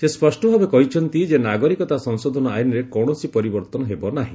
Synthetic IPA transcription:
sespɔsʈɔbʱabekɔɦit͡ʃʰɔnt̪id͡ʒenaɡɔɾikɔt̪asɔŋsɔd̪ʱɔnɔajnɔɾekɔɽ̃ɔsipɔɾibɔɾt̪ɔnɔɦebɔnaɦḭ̃

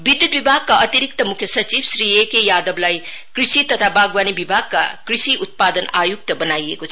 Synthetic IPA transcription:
bid̪jut̪̚bibʱak̚kɐɐt̪iɾik̚t̪ɐmukʰjɐsɐt͡ʃib̚sɾiekejad̪ɐblaj | kɾisit̪ɐt̪ʰabʱaɡwanibibʱaɡ̚kɐ̰kɾisiʔut̪̚pad̪ɐnʔajuk̚tɐbɐnajḛko

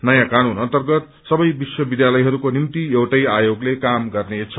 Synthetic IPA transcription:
nʌjãkañunʌnt̪ʌrɡʌt̪ | sʌbʌjbiswʌbid̪jalʌjɦʌɾukonimt̪iewʈʌjajoɡlekamɡʌrnet͡sʰʌ

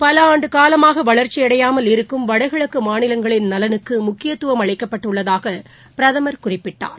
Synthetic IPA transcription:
pɐlɐaːɳɖɯkaːlɐmaːɣɐʋɐɭɐɾt͡ʃːiɐɽɐjaːmɐlɪɾɯkːɯmʋɐɽɐɪɣɐɭɯkːɯmaːnɪlɐŋɡɐɭɪnnɐlɐnɯkːɯmʊkːɪjɐt̪ːʊʋɐmɐɭɪkːɐpːɐʈːɯɭːɐðaːɣɐ | pɪɾɐðɐmɐɾkʊrɪpːɪʈːa̰ːɾ

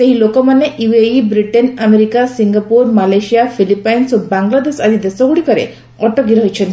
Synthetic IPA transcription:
seɦilokɔmanːeʔieibɾiʈenameɾikasiŋɡapuɾmalajsijafʰilipajnsobaŋɡlad̪esad̪ʱid̪esɔɡuɽikɔɾḛ | ɔʈɔkiɾɔɦjt͡ʃʰɔn

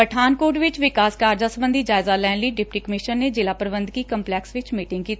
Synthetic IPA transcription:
pəʈʰaːnkoːʈʋɪt͡ʃʋɪkaːskaːɾd͡ʒaːsəbə̃nd̪ʱiːd͡ʒaːɪzaːlɛːnləiːɖɪpʈiːkəmɪʃənːeːd͡ʒɪlaːpɾəbə̃nd̪kiːkəmplɛːksʋɪt͡ʃmiːʈɪ̃ŋɡ̚kiːt̪ː

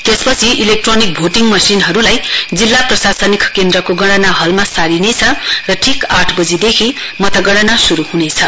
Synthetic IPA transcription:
t̪espʌt͡sʰiʔilek̚ʈronik̚bʱoʈiŋmʌsinɦʌɾulajd͡zilːaprʌsasʌnikʰkend̪rʌkoɡʌɽ̃ʌnaɦʌlmasaɾinet͡sʰʌrʌʈʰikaʈʰbʌd͡zid̪ekʰi | mʌt̪ʌɡʌɽ̃ʌnasuɾuhunet͡sʰʌ

